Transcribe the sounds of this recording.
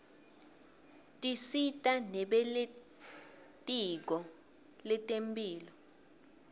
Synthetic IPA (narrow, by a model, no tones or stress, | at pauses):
tʼisitʼanɛɓɛle | tʼik̬ɔ | lɛtʼempʼiːlɔ